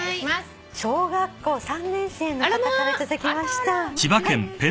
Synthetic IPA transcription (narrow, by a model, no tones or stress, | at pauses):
ɕo̞ːɡakːo̞ːsãnːẽ̞ɰ̃se̞ːnːoat̪akaɾetɨzɨkʲimaɕi̥t̪at͡ɕibakẽ̞mpẽ